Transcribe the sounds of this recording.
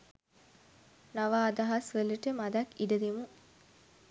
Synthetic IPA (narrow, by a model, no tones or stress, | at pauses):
naʋaːd̪ɐɦɐsʋələʈəmad̪ɐkːiɖəd̪emu